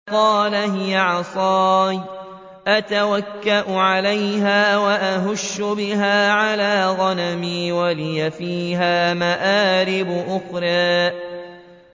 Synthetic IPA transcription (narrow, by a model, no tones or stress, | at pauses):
qɑːlaɦɪjaʕɑsˤɑːj | ʔat̪awakːaʔʊʕalajɦaːwaʔaɦʊʃːʊbɪɦaːʕalaːɣɑnamiːwalɪjafiːɦaːmaʔaːɾɪbʊʔʊxɾˤɑː